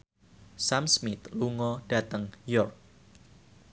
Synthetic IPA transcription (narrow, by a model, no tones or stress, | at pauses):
samsmɪt̪luŋɔd̥a̤t̪əŋjɔrk̚